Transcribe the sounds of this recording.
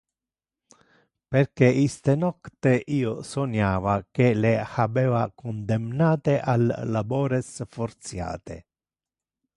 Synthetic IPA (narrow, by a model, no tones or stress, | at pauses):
perkeʔist̪enɔkt̪eʔiːosonaːvak̟elehabɛːvakond̪ɛmnaːt̪eʔalːabɔːɾesfoɾt̪sja̰ːt̪ḛ